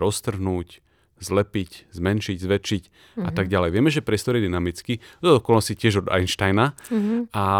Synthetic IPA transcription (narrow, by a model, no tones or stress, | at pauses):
ɾɔst̪r̩ɦnuːc | zlɛpiczmɛnʃiɟzʋɛt͡ʃic | at̪aɡɟalɛjʋɪɛmɛʒɛpɾɪɛst̪ɔɾjɛd̪inamit͡skid̪ɔɔkɔlascicɪɛʒɔd̪a̰jnʃt̪ajna | a